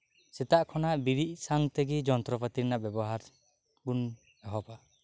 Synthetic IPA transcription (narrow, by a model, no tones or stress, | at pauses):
sɛt̪aʔkʰɔnaʔbiɾiʔ̚saŋt̪ɛɡid͡ʒɔnt̪ɾɔpat̪iɾnaʔbjɛbɔɦaɾ | bun | aɦɔpa